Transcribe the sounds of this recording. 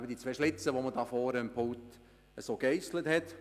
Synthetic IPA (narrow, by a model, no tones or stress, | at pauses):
bədit͡sʋɛːʃlɪt͡səʋoməd̥ɑːfɔːɾəəmpʰolt | əsoːɡɛɪsləthɛt